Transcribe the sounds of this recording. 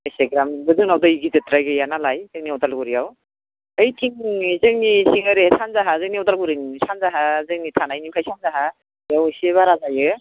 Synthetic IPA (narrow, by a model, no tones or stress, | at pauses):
aseɡɾambɯzuŋnawdaiɡizetɾajɡɯjanalajzeŋniɔtalɡuɾijaw | ɯjtʰiŋzɯŋnisiŋɯɾesanzaɦazɯŋniɔtalɡuɾɯnisanzaɦazɯŋnitʰanajnikʰajsʰanzaɦa | jawseβaɾazajɯ